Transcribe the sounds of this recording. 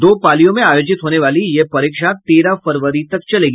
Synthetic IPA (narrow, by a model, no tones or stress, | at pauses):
d̪oːpaːlijõmẽaːjoːd͡ʒɪt̪ɦoːneʋaːlijepɐɾikʂat̪eɾafəɾʋəɾit̪əkt͡ʃɐleɡi